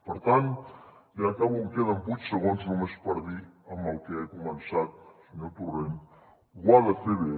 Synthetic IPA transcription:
pəɾt̪anjakaβuŋkeðəmbut͡ʃsəɣonznumespəɾðiəməlˠkeakumənsat̪̚səɲot̪uren | ɡwaðəθeβe

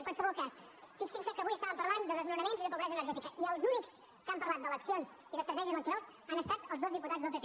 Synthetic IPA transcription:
əŋkwalˠsəβɔlˠkasfiksiksəkəβujəst̪aβəmpəɾland̪əðəznuɾəmenziðəpuβɾɛzənəɾʒɛt̪ikəʔiəlˠzuniks | kəampəɾlˠat̪̚d̪ələksionz | iðəst̪ɾət̪ɛʒiəənt̪iɾozanəst̪at̪əlˠzðozðiput̪ad͡zðəlˠpet̪

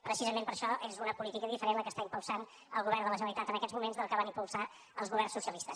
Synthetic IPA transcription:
pɾəsizəmẽmpəɾʃɔʔezunəpulit̪ikəðifəɾenləkəst̪aimpulˠsan | əlˠɣuβɛrnd̪ələʒənəlit̪at̪ənəkɛzmumenzðəlˠkəβanimpulˠsa | əlˠzɣuβɛrnsusiəlist̪əs

